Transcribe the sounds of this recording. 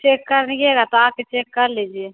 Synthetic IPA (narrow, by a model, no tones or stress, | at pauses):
t͡ʃeːkːɐɾnikeɡat̪oaːb̚ket͡ʃeːkːɐɾliːd͡ʒie